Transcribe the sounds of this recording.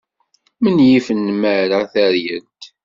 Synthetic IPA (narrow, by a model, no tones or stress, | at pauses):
mənjifənːməɾəθəɾjənt̪